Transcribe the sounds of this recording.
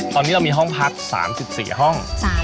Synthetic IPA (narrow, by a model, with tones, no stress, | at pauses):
t̪ɔː˧nːiː˦˥ɾa˧wmiː˧ɦɔ˥˩ŋpʰa˦˥k̚sa̰ː˩˦msi˨˩p̚sḭː˨˩ɦɔ˥˩ŋʰ˥